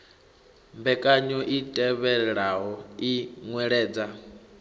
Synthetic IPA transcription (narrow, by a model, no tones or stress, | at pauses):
mbɛkʼaɲɔʔitʼɛβɛɺɛɺaɦɔiŋwɛɺɛːd͡za